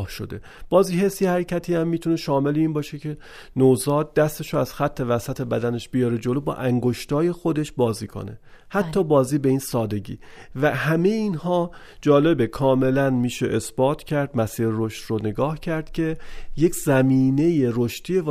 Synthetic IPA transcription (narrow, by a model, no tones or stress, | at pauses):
hʃod̪e̞ | b̥ɒːziːhe̞sijehæɾecʰæt̪ʰiːæmːiːt̪ʰune̞ʃɒːme̞leiːnbɒːʃecʰe̞ | nozɒːd̪̚d̪æst̪e̞ʃoæz̥xæt̪ʰːe̞væsæt̪ʰe̞bæd̪æne̞ʃb̥ijɒɾed͡ʒolobɒ̰ːʔæŋɡo̞ʃt̪ɒːje̞xo̞d̪e̞ʃbɒːziːkʰo̰ne̞̰ | hæt̪ʰːɒːbɒːziːbe̞iːnsɒːd̪e̞ɟḭː | væhæme̞jeiːnhɒː | d͡ʒɒːle̞bekʰɒːme̞lænmiːʃeʔesbɒːt̪ʰcʰæɾd̪mæsiːɾeɾoʃt̪rone̞ɡɒːhcʰæɾd̪̥cʰe̞je̞cʰzæmiːne̞je̞ɾoʃt̪ʰiːe